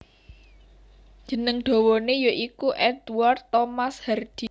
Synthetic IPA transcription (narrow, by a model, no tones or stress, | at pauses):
d̥ʒ̥ə̤nəŋɖ̪̥o̤wonejoʔikuʔɛd̪uart̪ːomashɛrd̪̥i̤